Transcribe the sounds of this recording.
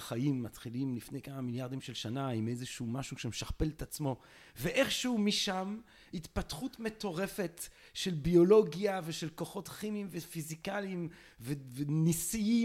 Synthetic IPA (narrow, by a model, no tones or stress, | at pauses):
χajimːat̪χilimlifnejkamamiljaʁd̪imʃe̞lʃanaimejzeʃumaʃuʃemeʃaχpe̞let̪at͡smo̞ | veʔe̞χʃeumiʃam | hit̪patχutme̞t̪o̞ʁe̞fe̞t | ʃelbio̞lo̞ɡjaveʃe̞lko̞χo̞tχimimvefizikalim | vevenisii